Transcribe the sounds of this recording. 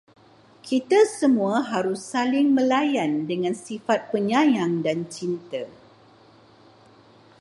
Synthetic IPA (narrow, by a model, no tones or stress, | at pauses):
kʰit̪asəmũaɦaɾusːalɪŋmə̃lajandəŋãnsifat̪̚pəɲãjaŋdant͡ʃint̪ə